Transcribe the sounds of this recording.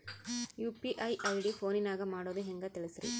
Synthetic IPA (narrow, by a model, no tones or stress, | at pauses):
juːpiʔɐɪʔɐɪɖifoːnɪnaːɣɐmaːɽoðɯ̃ɛŋɡɐt̪ːɛɭɪsɪɾḭ